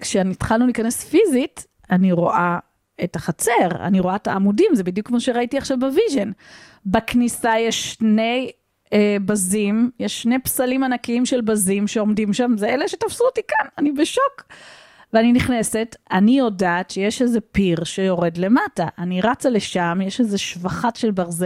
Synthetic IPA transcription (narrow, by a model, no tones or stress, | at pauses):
kʃenitχalnulikanesfizit | aniʁo̞ʔa | etaχat͡se̞ʁa̰niʁo̞aetaːmudimzebidjukmoʃeʁaitiaχʃavbaviʒe̞n | baknisajeʃne̞j | bazimjeʃːne̞psalimanakiimʃe̞lbazimʃeo̞mdimʃamzeeleʃe̞tafsuotikananibeʃo̞k | veaniniχne̞se̞tanijo̞daːtʃejeʃezepiʁʃe̞jo̞ʁe̞dle̞mataʔaniʁat͡sale̞ʃamjeʃezeʃvaχatʃelbaʁze